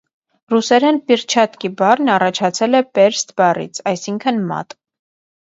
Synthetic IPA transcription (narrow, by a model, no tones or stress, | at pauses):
rusɛɾɛnpiɾt͡ʃʰɑt̪kibɑrnɑrɑt͡ʃʰɑt͡sʰɛlɛpɛɾst̪bɑrḭt͡sʰɑjsiŋkʰənmɑ̰t̪